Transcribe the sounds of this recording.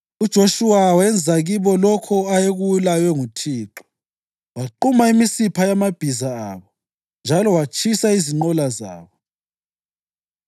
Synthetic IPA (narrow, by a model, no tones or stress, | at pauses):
ud̥ʒ̥ʱoʃuwawɛnd͡zʱaɣiβɔlɔkʰɔajeɣuwulajwɛŋutʰiːǁɔ̥ | waǃumaimisipʰajamab̥ʱizaaːβɔ | nd͡ʒʱalɔwat͡ʃʰʼisaiziŋ͡ǃɔlaza̰ːβɔ